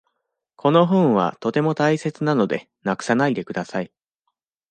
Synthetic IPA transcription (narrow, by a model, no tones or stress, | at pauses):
kʰo̞no̞ɦɯ̟̃ɰ̃βa̰t̪o̞t̪e̞mo̞t̪aise̞t͡sɨnano̞d̪e̞̰ | nakɯ̟̥sanaid̪e̞kɯ̟d̪asai